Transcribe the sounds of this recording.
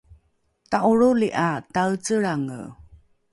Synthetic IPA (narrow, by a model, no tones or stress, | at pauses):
taʔuɾuliʔatawt͡səɭaŋə̰